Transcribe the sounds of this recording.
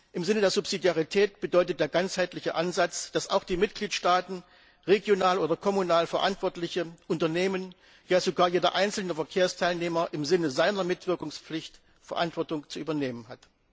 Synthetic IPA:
ʔɪmzɪnədeːɐzʊpz̥idjaʁitʰɛːtb̥ədɔʏtət̚d̥eːɐɡant͡shaɪtlɪçəʔanzat͡sd̥asaʊxd̥iːmɪt̚ɡ̥liːtʃtaːtn̩ | ʁeɡjonaːloːdɐkʰɔmunaːlfɛɐʔantv̥ɔɐtlɪçəʔʊntɐneːmən | jaːzoɡaːɐjeːdɐ̰ʔaɪnt͡sl̩nəfɛɐkʰeːɐstʰaɪlneːmɐʔɪmzɪnəzaɪnɐmɪtv̥ɪɐkʊŋsp͡flɪçt | fɛɐʔa̰ntv̥ɔɐtʊŋt͡suʔyːbɐneːmənɦat

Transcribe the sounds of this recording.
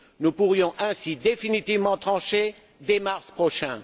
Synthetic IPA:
nupuʁjɔ̃ʔɛ̃sid̪efinit̪ivmɑ̃t̪χɑ̃ʃe | d̪emaʁspχɔʃɛ̃

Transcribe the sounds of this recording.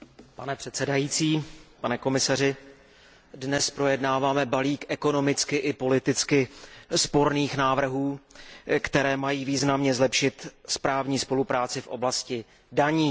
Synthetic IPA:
panɛpr̥ɛt̪sɛdajiːt͡siːpanɛko̞mɪsar̝ɪ | dnɛspɾo̞jɛdnaːvaːmɛbaliːkʔɛko̞no̞mɪt͡skɪʔɪpo̞lɪt̪ɪt͡skɪspo̞ɾniːxnaːvr̩ɦuː | kt̪ɛɾɛːmajiːviːznamɲɛzlɛpʃɪt̪spɾaːvɲiːspo̞lupɾaːt͡sɪfʔo̞̰blascɪ | daɲiː

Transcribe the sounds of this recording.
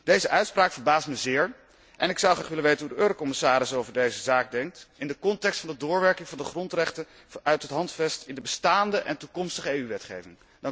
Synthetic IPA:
d̥ejzəʔœɥtspraːkfəɹbaːstməzɪːɹ | ʔɛnɪksʌwχraːχʋɪlənʋejtənɦudəʔøːɾokɔmɪsaːɾɪsowvəɹdejzəzaːk̚dɛŋk̚tɪndəkɔntɛkstfɑndədʊːɹʋɛɹkɪŋvɑndəχrɔntrɛχtə | ʔœɥtɦətɦɑntfɛstɪndəbəstaːndəʔɛ̰ntukɔmstəχəejyʋɛtχḛjvɪŋ | dɑ

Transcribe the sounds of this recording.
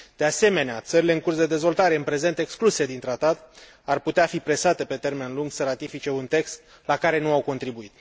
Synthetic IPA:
d̪̥e̞ase̞me̞neat̪səɾile̞ɨŋkursd̪e̞d̪e̞zvo̞lt̪aɾe̞ɨnpɾe̞ze̞nt̪e̞kskluse̞d̪int̪ɾat̪at̪ | arput̪eafipɾe̞sat̪e̞pe̞t̪e̞rme̞nluŋɡsəɾat̪ifit͡ʃe̞unt̪e̞kst̪ | lakaɾe̞nuawko̞nt̪ɾibuit̪

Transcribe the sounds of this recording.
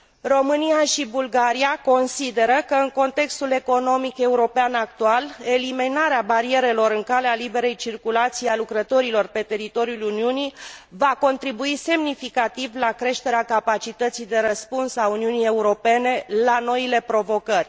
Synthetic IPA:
ro̞mɨnijaʃibulɡaɾiako̞nsid̪e̞ɾəkəɨŋko̞nt̪e̞kst̪ule̞ko̞no̞mike̞uɾo̞peanak̚t̪uale̞liminaɾeabaɾie̞ɾe̞lo̞ɾɨŋkalealibe̞ɾe̞jt͡ʃirkulat̪sijalukɾət̪o̞ɾilo̞rpe̞t̪e̞ɾit̪o̞ɾijuluniunivako̞nt̪ɾibuise̞mnifikat̪ivlakɾe̞ʃt̪e̞ɾeakapat͡ʃit̪ət̪sijd̪e̞ɾəspunsauniunije̞uɾo̞pe̞ne̞lano̞ile̞pɾo̞vo̞kərʲ

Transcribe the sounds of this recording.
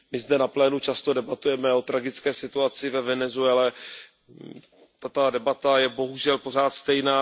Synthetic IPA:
mɪzdɛnaplɛːnut͡ʃast̪o̞dɛbat̪ujɛmɛo̞t̪ɾaɡɪt͡skɛːsɪt̪uat͡sɪvɛvɛnɛzuɛlɛ | t̪at̪adɛbat̪ajɛbo̞ɦuʒɛlpo̞r̝aːt̪st̪ɛjnaː

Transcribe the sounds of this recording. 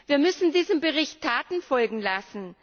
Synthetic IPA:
viːɐmʏsn̩diːzəmbəʁɪçtʰːaːtn̩fɔlɡŋ̩lasn̩

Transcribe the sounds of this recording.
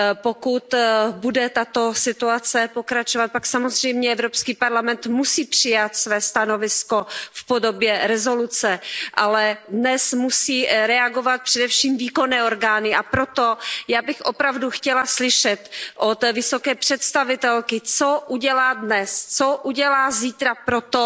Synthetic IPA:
pokut̪budɛt̪at̪o̞sɪt̪uat͡sɛpokɾat͡ʃovat̪̚paksamozr̝ɛjmɲɛɛvɾopskiːpaɾlamɛnt̪musiːpr̝̥ɪjat̪svɛːst̪ano̞vɪsko̞fpodo̞bjɛɾɛzo̞lut͡sɛʔalɛdnɛsmusiːɾɛaɡo̞vat̪̚pr̥ɛdɛfʃiːmviːko̞nɛːo̞ɾɡaːnɪʔapɾot̪ojaːbɪxʔopɾavduxcɛlaslɪʃɛt̪ʔot̪vɪsokɛːpr̝̥ɛt̪st̪avɪt̪ɛlkɪt͡soʔuɟɛlaːdnɛst͡soʔuɟɛlaːziːt̪ɾapɾot̪o

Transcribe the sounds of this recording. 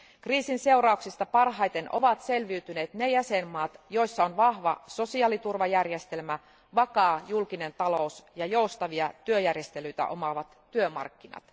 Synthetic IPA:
kriːsinse̞urɑuksist̪ɑpɑrɦɑjt̪e̞nʔo̞̰ʋɑt̪se̞lʋiːt̪yne̞ːt̪nejæse̞mːɑːt̪jo̞isːɑonʋɑhʋɑso̞siɑːlit̪urʋɑjærjest̪e̞lmæ | ʋɑkɑːjulkine̞nt̪ɑlo̞usjɑjo̞ust̪ɑʋiɑt̪yøjærje̞st̪e̞lyjt̪æ̰ʔo̞̰mɑʋɑt̪ːyømɑ̰rkːinɑ̰t̪

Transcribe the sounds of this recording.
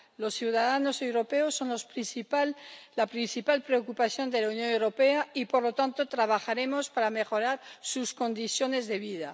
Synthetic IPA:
lo̞sθjiuwðaðano̞se̞wɾo̞peosːo̞nlospiθpalapɾinθipalpɾe̞okupaθjo̞nd̪e̞launjõ̞newɾo̞peaipo̞ɾlo̞t̪ant̪ot̪ɾaβ̞axaɾe̞mo̞spaɾame̞xo̞ɾaɾsusko̞nd̪iθjo̞ne̞zðe̞β̞ið̞a

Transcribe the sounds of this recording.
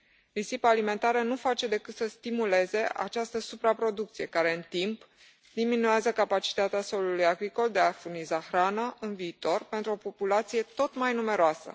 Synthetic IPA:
lisipəalime̞nt̪aɾənufat͡ʃe̞d̪e̞kɨt̪səst̪imule̞ze̞ʔa̰t͡ʃast̪əsupɾapɾo̞d̪ukt̪sije̞kaɾe̞ɨnt̪imp | d̪iminujazəkapat͡ʃi̥t̪at̪easo̞lulujaɡɾiko̞ld̪e̞afurnizaxɾanəɨnviːt̪o̞rpe̞nt̪ɾuo̞po̞pulat̪sijet̪o̞t̪majnume̞ɾoasə̰

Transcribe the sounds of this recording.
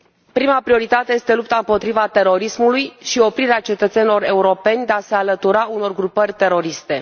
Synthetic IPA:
pɾimapɾio̞ɾit̪at̪e̞je̞st̪e̞lup̚t̪aɨmpo̞t̪ɾivat̪e̞ɾo̞ɾismulujʃio̞pɾiɾeat͡ʃe̞t̪ət̪se̞nilo̞ɾe̞uɾo̞pe̞nʲd̪e̞ase̞alət̪uɾauno̞rɡɾupərʲt̪e̞ɾo̞ɾist̪e̞

